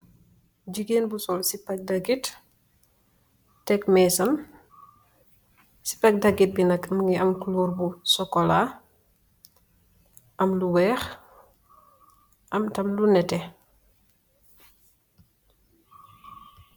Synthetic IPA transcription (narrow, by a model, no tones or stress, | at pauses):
ɟiɡeːnbusɔlsipɐk̚dɐɡit | tɛkmɛːsɐm | si̥pɐk̚dɐɡit̚binɐkmŋɡiɐmkuluːrbusɔkɔla | ʔɐmluwɛːx | ʔɐmtɐmlunɛtɛ